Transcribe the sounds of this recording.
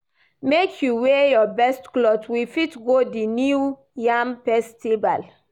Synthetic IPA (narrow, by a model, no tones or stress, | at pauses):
mekʰjuwejɔbɛstklɔtwifitɡodinu | jãmpɛstiva̰l